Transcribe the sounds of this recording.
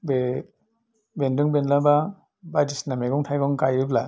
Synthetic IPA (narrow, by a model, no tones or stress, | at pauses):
be | bendɯŋbenlaba | badisnameɡɔŋtʰajɡɔŋkajɯbla